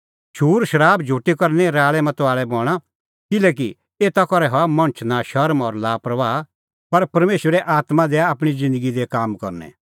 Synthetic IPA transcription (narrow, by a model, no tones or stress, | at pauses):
ʃuːɾʃɐɾaːbd͡ʒʱuːʈːikɐɾnɛ̃ɾaːɭɛmɐt̪aːɭɛbɔːɽ̃a | kɪlɛːk̬i | eːt̪akɔɾɛɦɔmɐ̃ɽ̃t͡ʃʰnaʃɐɾmɔːɾlaːpɾɐʋaː | pɐɾpɐɾmeːʃʋəɾɛʔaːt̪mãd̪ɛaːpɽ̃id͡zɪ̃nd̪əɡid̪ɛkaːmkɔ̰ɾnɛ̰